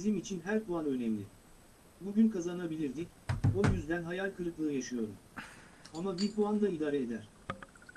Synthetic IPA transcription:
bizimit͡ʃʰinɦæɾpuanø̞nɛmlʲɪ | buɟynkʰazanabilʲiɾd̪ic | ojyzd̪ænɦajalʲkʰɯɾɯklˠɯːjaʃɯjo̞ɾṵm | amabiɾpʰuand̪aid̪aːɾeed̪æɾ̥

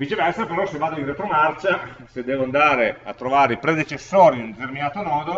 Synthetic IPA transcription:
vit͡ʃevɛrsapeɾɔsevːaːd̪oinret̪ɾomart͡ʃa | sed̪ːɛːvoand̪aːɾeat̪ːɾovaːɾeipɾed̪et͡ʃesːoːɾinund̪et̪erminaːt̪onɔːd̪o

